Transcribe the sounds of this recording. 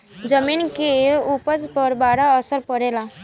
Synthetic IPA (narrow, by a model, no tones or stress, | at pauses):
d͡ʒəminkeupəspəɾbaːɾaəsəɾpəɾela